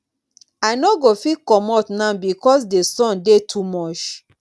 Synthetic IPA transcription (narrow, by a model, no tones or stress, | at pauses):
aɪnoɡofikɔmɔtnãnbikɔs̬desɔ̃ndetʰumɔt͡ʃ